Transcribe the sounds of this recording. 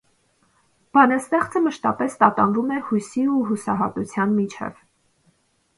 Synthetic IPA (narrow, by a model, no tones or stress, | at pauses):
b̥ɑnɑst̪ɛχt͡səməʃt̪ɑpɛst̪ɑt̪ɑnvumɛhujsiuɦusɑɦɑt̪ut͡sʰjɑnmit͡ʃʰɛ̰v̥